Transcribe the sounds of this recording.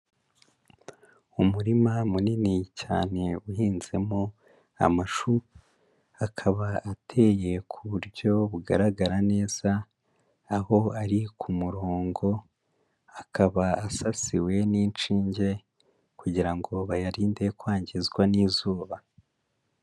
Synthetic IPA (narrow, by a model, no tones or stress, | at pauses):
umuɾimamuninica̰ːne̞uhiːnze̞mo | a̰maʃu | akʰaβaatʰe̞ːje̞kʰuβuɾɟo̞βuɡa̰ɾaɡaɾane̞ːz̥aː | ho̞aɾikʰumuɾoːŋɡo̞ | akʰaβaasasiwe̞niːnt͡ʃiːɲɟe̞ | kuɟiɾaŋɡo̞βajaɾiːnde̞kwaːɲɟizɡwaniːzuːβa